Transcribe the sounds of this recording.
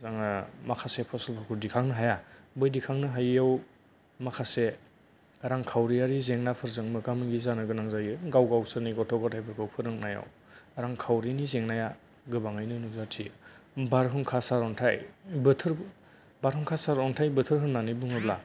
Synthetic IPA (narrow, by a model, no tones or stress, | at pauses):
zaŋamakʰasepʰɔselpʰɔɾkʰuɾdikʰaŋnɯɦajabɯjdikʰaŋnɯɦajaw | makʰase | aɾaŋkʰawɾiaɾizeŋnapʰɯɾzɯŋmɯkamɯɡizanɯɡɯnaŋzajɯɡawɡawsɯniɡɔtʰɔɡɔtʰajpʰɯɾkʰɯwpʰɯɾɯŋnaja̰w | aɾaŋkʰawɾinizeŋnaja | ɡɯbaŋajnɯnuzatʰibaɾɦɯŋkʰasaɾɔntʰa̰jbɯtʰɯɾ | baɾɦɯŋkʰasaɾɔntʰajbɯtʰɯɾɦɯnːanibuŋɯbla